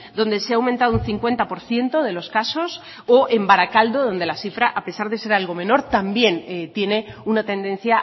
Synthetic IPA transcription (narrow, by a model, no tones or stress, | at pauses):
d̪o̞nd̪e̞seawment̪aðunθiŋkwe̞nt̪apo̞ɾθje̞nt̪o̞ðe̞lo̞skaso̞s | oʔe̞mbaɾakald̪oðo̞nd̪e̞lasifɾaʔape̞saɾðe̞se̞ɾalɣ̞o̞mẽ̞no̞ɾt̪ambje̞nt̪je̞ne̞unat̪e̞nd̪ẽ̞n̟θja